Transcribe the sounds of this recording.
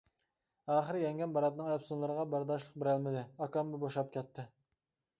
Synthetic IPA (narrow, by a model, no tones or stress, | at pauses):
ɑːχəɾɪjɛŋɡʲɛnbɑɾɑt̪nɨŋɛpsunlˠɨɾəʁɑbæɾd̪ɑʃlˠəq̚bɪɾælmɪd̪ɪɑkɑmbuboʃɑp̚kʲʰɛt̪ʰːɪ